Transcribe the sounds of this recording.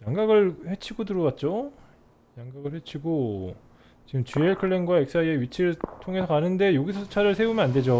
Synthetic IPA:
jaŋɡaɡɯɭhe̞t͡ɕʰiɡodɯɾʌwat̚t͡ɕ͈o | jaŋɡaɡɯɭhe̞t͡ɕʰiɡo | t͡ɕiɡɯmt͡ɕueɭkʰɯɭːenɡwaek̚s͈aieɥit͡ɕʰiɾɯɭtʰoŋe̞sʰʌkanɯnde̞joɡisʰʌt͡ɕʰaɾɯɭsʰe̞umjʌnande̞d͡ʑo

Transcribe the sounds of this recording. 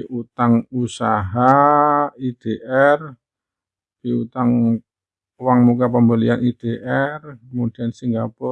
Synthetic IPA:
iʔut̪aŋusaɦa | id̪̥eʔɛr | piut̪aŋ | waŋmukap̬əmbəlianid̪̥eʔɛrkəmud̪̥iansiŋɡapɔ

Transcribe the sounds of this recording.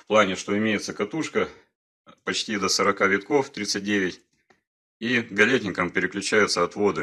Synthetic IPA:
fplˠanʲɪʂt̪o̞ɪmʲejɪt̪səkɐt̪uʂkə | pɐt͡ɕtʲid̪əsəɾɐkavʲɪt̪ko̞ft̪ɾʲit̪sɨt̚ʲdʲeʋʲɪtʲ | iɡɐlʲetʲnʲɪkəmpʲɪɾʲɪklʲʉt͡ɕæjʊt̪səɐt̪vo̞d̪ɨ

